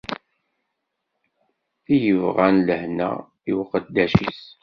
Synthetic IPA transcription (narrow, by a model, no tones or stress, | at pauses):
θijəvʁænləhnæ̰ | iwqəd̪ːæʃḭs